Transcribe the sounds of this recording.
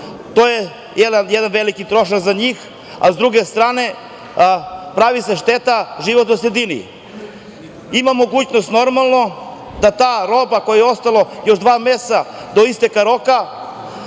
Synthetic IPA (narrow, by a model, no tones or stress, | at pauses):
t̪oje | jed̪anjed̪anʋelikit̪ɾo̞ʃakzaɲiːx | a̰zd̪ɾuɡe̞st̪ɾaːne̞ | pɾaʋise̞ʃt̪et̪aʒiʋot̪nosɾed̪inḭ | imamo̞ɡuːt͡ɕnost̪no̞ɾmalˠno̞ | d̪at̪aːɾo̞bako̞jajo̞st̪alˠo̞jo̞ʃd̪ʋaːmesad̪oist̪ekaɾo̞ka